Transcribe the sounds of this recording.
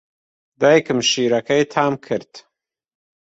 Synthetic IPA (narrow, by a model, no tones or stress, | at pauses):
d̪ajkəmʃiɾakajt̪ʰaːmkʰəɾt̪